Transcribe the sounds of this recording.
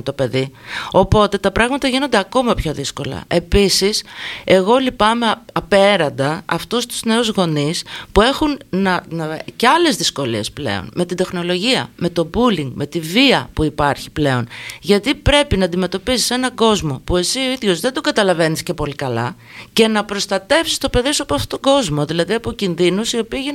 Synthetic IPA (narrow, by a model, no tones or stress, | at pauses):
t̪o̞pe̞ðio̞po̞t̪e̞t̪ɐpɾɐɣmɐt̪ɐʝino̞nd̪e̞ɐko̞mɐpço̞ðisko̞lɐ̰ʔe̞pisise̞ɣo̞lipɐme̞ɐpe̞ɾɐnd̪ɐɐft̪ost̪u̥zne̞uzɣo̞nispue̞xunnɐceɐle̞zðisko̞lie̞sple̞̰o̰nme̞t̪ind̪e̞xno̞lo̞ʝiɐ̰me̞t̪o̞buliŋɡme̞t̪iviɐpuipɐɾçi̥ple̞o̞nʝɐt̪ipɾe̞pinɐːnd̪ime̞t̪o̞pisi̥senɐɡo̞zmo̞pue̞sioiðʝo̞zðe̞nd̪oɡɐt̪ɐlɐve̞nisce̞po̞likɐlɐ̰ | ce̞nɐpɾo̞st̪ɐt̪e̞fsi̥st̪o̞pe̞ðisuɐpoɐft̪ot̪oɡo̞zmo̞ðilɐðiɐpo̞cinðinusio̞piːʝin